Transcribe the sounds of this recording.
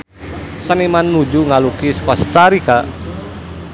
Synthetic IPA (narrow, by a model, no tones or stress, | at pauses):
sənimanːud͡ʒuŋalukiskɔst̪aɾikaʔ